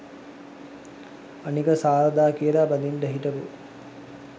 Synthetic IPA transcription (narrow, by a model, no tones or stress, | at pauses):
anikəsaːɾəd̪aːkijəlaband̪inʈəɦiʈəpu